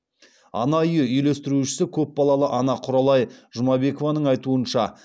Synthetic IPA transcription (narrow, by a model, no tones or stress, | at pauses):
ɑ̰nɑʏjəʏjlest̪ɪɾuʃɪ̥sɪkʲʰɵp̚bɑlˠɑlˠəʔɑnɑqʰʊɾɑlˠɑjʒʊmɑbe̞ko̞vɑnəɴɑjt̪uənʃɑ